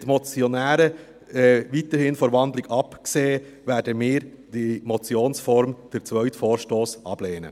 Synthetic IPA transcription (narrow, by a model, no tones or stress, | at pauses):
tmɔt͡sjɔnæːɾə | ɛvitəɾhɪnfɔɾʋɑnd̪lɪɡɑpkseː | væːɾdəmɪːɾ | d̥imɔt͡sjoːnsfɔɾmd̥əɾt͡svœʏtfoːɾʃtoːsʔɑb̥leːnə̰